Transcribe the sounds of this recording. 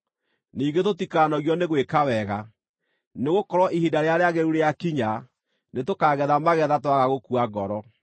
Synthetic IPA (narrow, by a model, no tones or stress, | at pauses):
niːŋɡetotikanɔɣjɔneɣwekawɛɣa | neɣokɔɾwɔʔihidaɾeaɾeaɣeɾuɾejakiɲa | netokaːɣɛðamaɣɛðatwaɣaɣokuaɡɔɾɔ